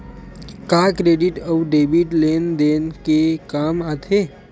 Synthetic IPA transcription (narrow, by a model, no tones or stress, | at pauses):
kaːkɾeːɖɪʈəwɖeːbiʈleːnd̪enkekaːmat̪ʰeː